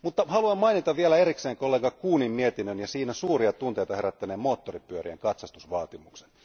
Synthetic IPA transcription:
mut̪ːɑhɑluɑmmɑinit̪ɑʋʋielæeɾikseːŋkolːeŋkɑkuːnimmiet̪inønjɑsiːnæsuːriɑt̪unt̪e̞jt̪ɑhe̞ɾæt̪ːæneːmmoːt̪ːoripyøɾiæ̰ŋkɑt̪sɑst̪usʋɑːt̪imukse̥n

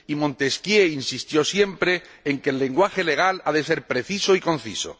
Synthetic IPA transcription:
imõ̞nt̪e̞skjeinsist̪jo̞sje̞mpɾe̞ːŋke̞lːe̞ŋɡwaxe̞le̞ɣ̞alaðe̞se̞ɾpɾe̞θisoikõ̞n̟θḭso̰

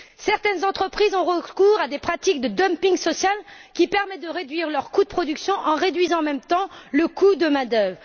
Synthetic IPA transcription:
sɛʁt̪ɛnzɑ̃t̪χəpχizɔ̃ʁəkuʁad̪epχat̪ik̚d̪əd̪ɔmpĩŋɡsɔsjalkʲipɛʁmɛt̪̚d̪əʁed̪ɥiʁlœʁkud̪əpχɔd̪yksjɔ̃ʔɑ̃ʁed̪ɥizɑ̃ɑmɛmt̪ɑ̃ləkud̪əmãd̪œvʁə

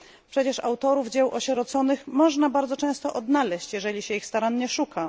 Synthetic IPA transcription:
pʂɛt͡ɕɛʂa̰wt̪ɔɾuvd͡ʑɛwʔɔɕɛɾɔt̪sɔnɘxmɔʐnabaɾd̪zɔt͡ʂɛ̃w̃st̪ɔʔɔd̪nalɛɕt͡ɕjɛʐɛlʲiɕɛixst̪aɾanɲɛʂukʰa

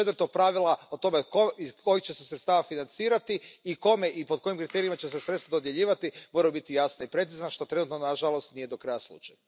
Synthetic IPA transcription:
et̪vəɾt̪o̞pɾaʋilˠaot̪o̞mekoikʰo̞jixt͡ɕesesɾet̪st̪aːʋafinant̪siːɾat̪iiko̞me̞ʔipoko̞jimkɾit̪e̞ɾimat͡ɕesesɾet̪t̪ad̪o̞d̪je̞ʎiːʋat̪imo̞ɾajubit̪ijasnaipɾe̞t̪sizanaʃt̪o̞t̪ɾe̞nut̪nonaʒalˠo̞st̪nije̞d̪o̞kɾajaslˠṵt͡ʃaju

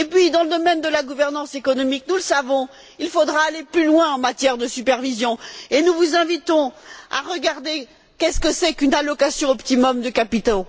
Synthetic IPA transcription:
epɥid̪ɑ̃ləd̪ɔmɛnd̪əlaɡuvɛʁnɑ̃sekɔnɔmiknuləsavɔ̃ | ilfod̪ʁaːleplylwɛ̃ɑ̃mat̪jɛʁd̪əsypɛʁvizjɔ̃enuvuzɛ̃vit̪ɔ̃a̰ʁəɡaʁd̪e | kɛskəsɛkynalɔkasjɔ̃ɔpt̪imɔmd̪əkapit̪o

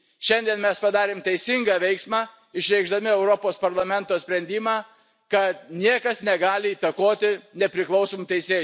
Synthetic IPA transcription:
ʃʲɛnʲd̪ʲiɛnmʲɛspɐd̪ɑːɾʲeːmt̪ʲɛɪsʲɪŋɡɑːʋʲɛɪksmɑː | ɪʃʲɾʲɛɪɡʒd̪ɐmʲɪɛʊɾopoːspɐɾlˠɐmʲɛnt̪oːsʲpʲɾʲɛnʲd̪ʲiːmɑː | kɐt̪nʲiɛkɐsnʲɛɡɑːlʲɪiːt̪ɐkoːt̪ʲɪnʲɛpʲɾʲɪklˠɐʊsoːmut̪ʲɛɪsʲeː

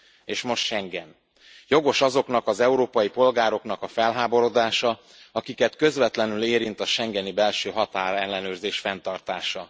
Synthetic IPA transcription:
eːʃmo̞ʃt̪ʃɛŋɡɛn | jo̞ɡo̞ʃɒzo̞kn̪ɒkɒzɛuɾoːpɒjipo̞lɡaːɾo̞kn̪ɒkɒfɛlɦaːbo̞ɾo̞d̪aːʃɒ | ɒkikɛt̪kø̞zvɛt̪lɛnyleːɾint̪ɒʃɛŋɡɛnibɛlʃøːɦɒt̪aːɾɛlːɛnøːrzeːʃfɛn̪t̪ɒrt̪aːʃɒ

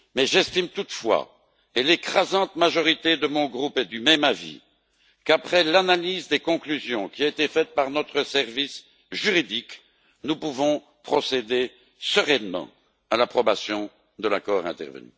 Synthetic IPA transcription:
mɛʒɛst̪imt̪ut̪fwa̰ | elekχazɑ̃t̪maʒɔʁit̪ed̪əmɔ̃ɡʁupɛd̪ymɛmavḭ | kapχɛlanalizd̪ekɔ̃klyzjɔ̃kʲiaet̪efɛt̪̚paʁnɔt̪χəsɛʁvis | ʒyʁid̪ik | nupuvɔ̃ | pχɔsed̪e | səʁɛnmɑ̰̃ | alapχɔbasjɔ̃ | d̪əlakɔːʁɛ̰̃t̪ɛ̰ʁvə̰ny̰

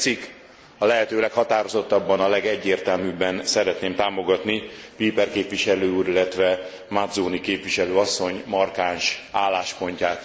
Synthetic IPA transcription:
t̪sikː | ɒlɛɦɛt̪øːlɛkhɒt̪aːɾo̞zot̪ːɒbːɒnɒlɛɡɛɟːeːrt̪ɛlmybːɛnsɛɾɛt̪neːmt̪aːmo̞ɡɒt̪nipiːpɛrkeːpʋiʃɛløːuɾilːɛt̪ʋɛ | mad̪zoːnikeːpʋiʃɛløːɒsːo̞ɲmɒrkaːnʃaːlːaːʃpo̞ɲcaːt̪

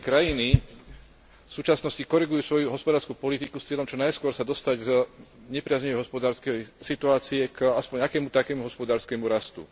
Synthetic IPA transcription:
kɾajini | fsuːt͡ʃasnɔscikɔɾɛɡujuːsʋɔjuɦɔspɔd̪aːɾskupɔlit̪ikust͡sɪɛlɔmt͡ʃɔnajskʊɔɾsad̪ɔst̪aɟz | ɲɛpɾɪazɲɛʋɛjɦɔspɔd̪aːɾskɛjsit̪uaːt͡siɛkaspɔɲakɛːmut̪akɛːmuɦɔspɔd̪aːɾskɛmuɾast̪ṵ

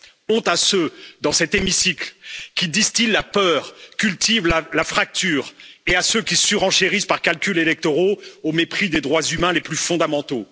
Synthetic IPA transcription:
ɔ̃t̪asød̪ɑ̃sɛt̪emisiklkʲid̪ist̪illapœːʁkʲylt̪ivlalafχak̚t̪yːʁeasøkʲisyʁɑ̃ʃeʁispaʁkalkʲylelɛk̚t̪ɔʁoomepχid̪ed̪ʁwazymɛ̃leplyfɔ̃d̪amɑ̃t̪o

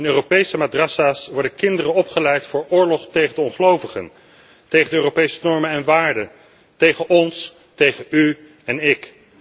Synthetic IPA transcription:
ɪnøːropejsəmadrɑsaːsʋɔɹdəkɪndərənɔpχəlɛjtfʊːɹʔʊːɹlɔχtejχəndəɔnχəlowvəχə̰n | tejχəndəøːropejsənɔɹmənɛnʋaːɹdə | tejχənʔɔns | tejχəy | ɛnɪk

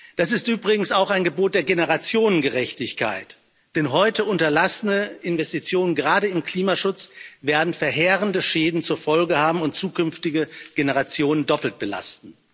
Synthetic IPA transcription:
d̥as̬ɪstʔyːbʁɪɡŋ̩saʊxaɪnɡəboːt̚d̥eːɐɡenəʁat͡sjoːnənɡəʁɛçtɪçkʰa̰ɪt | d̥ɛnɦɔʏtəʔʊntɐlasənəɪnvɛstit͡sjoːnənɡəʁaːdəɪmkl̥iːmaʃʊt͡sveːɐdn̩fɛɐɦeːʁəndəʃɛːdn̩t͡suːɐfɔlɡəhaːbm̩ʊntt͡suːkʏnftɪɡəɡ̥enəʁat͡sjoːnəndɔpl̩t̚b̥əla̰stn̩

